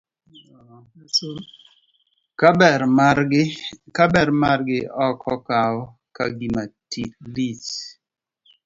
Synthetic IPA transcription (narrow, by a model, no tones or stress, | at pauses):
kabɛɾmaɡɪkabɛɾmaɾɡɪɔkʰɔkaɔ | ka̰ɡimatʰilit